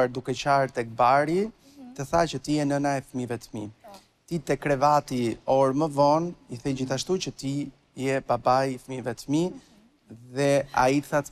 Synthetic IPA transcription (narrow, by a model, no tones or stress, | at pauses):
ɾd̪ukɛt͡ɕaɾt̪ɛk̚baɾi | t̪əθacət̪ijɛnənaɛfmivɛt̪mi | t̪it̪ɛkɾɛvat̪iɔɾməvɔniθɛd͡ʑiθaʃt̪ut͡ɕət̪i | jɛbabajfmivɛt̪mi | ðɛa̰iθat̪